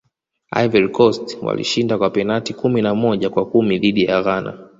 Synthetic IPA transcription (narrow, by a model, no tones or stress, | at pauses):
a̰jvɛɾikɔstwa̰lḭʃindakwapɛnatikuminamɔʄakwakumiðiɗijaɣana̰